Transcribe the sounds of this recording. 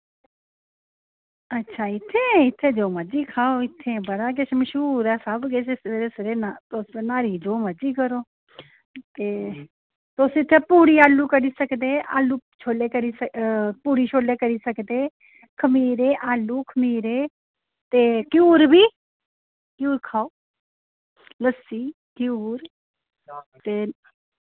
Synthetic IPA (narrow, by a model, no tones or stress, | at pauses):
ətːʃʰaːɪt̪ʰːeːɪt̪ʰːẽːd͡ʒoːməd͡ʒiːkʰaːoːɪt̪ʰːeːbəɽaːk̬ɪt͡ʃʰməʃuːɾaːsəbɡet͡ʃʰeseɾeːsɾeːnat̪osenaːɾiːd͡ʒoːməd͡ʒiːkəɾoː | t̪eː | t̪osɪt̪ʰːeːpuːɽiːaːlːuːkəɾiːsəkd̪eːa̰ːlːuːt͡ʃʰoːleːkəɾiːsəpuːɾiːt͡ʃʰoːleːkəɾiːsəkd̪eː | kʰəmiːɾeːʔaːlːuːkʰəmiːɾeː | t̪eːkjuːɾbiː | kjuːɾkʰaːoː | ləsiː | kɪjuːɾ | t̪eː